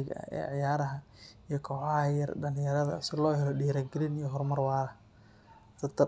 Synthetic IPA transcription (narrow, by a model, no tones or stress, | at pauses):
ɪɣɐ̰ɐ̰ɛ̰ːʕjaːɾɐɦɐ | ijɔkʰɔːħɑɦɐjɐrɖɐnɪjɐɾɐðɐ̰sɪlɔːɦɛlɔɖiːɾɐɡɛlɪnijɔɦɔrmɐrwɑːɾɐ | sɐt̪ʰːɐ